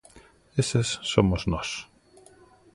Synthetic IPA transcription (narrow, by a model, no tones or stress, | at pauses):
esesːomoznɔs